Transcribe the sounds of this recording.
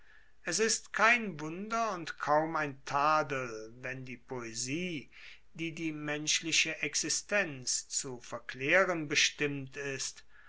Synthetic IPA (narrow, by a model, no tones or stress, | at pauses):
ʔɛsɪstkʰaɪnvʊndɐʊntkʰaʊmaɪntʰaːdl̩vɛndiːpʰoeziː | diːdiːmɛnʃlɪʃəʔɛksɪstɛnt͡st͡sufɛɐkl̥eːʁənbəʃtɪmtɪst